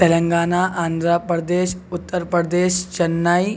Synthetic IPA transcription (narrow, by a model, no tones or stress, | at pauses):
t̪eləŋɡaːnaʔand̪ʱɾapɾəd̪eːɕut̪ːəɾpɾəd̪eɕt͡ɕənːaj